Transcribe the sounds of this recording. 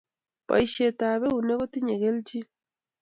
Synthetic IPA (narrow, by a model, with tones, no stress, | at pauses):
βa̰˨iʃe˨ta˨βe˦uneɣo˦ti˦ɲeɣe˦ld͡ʒi˦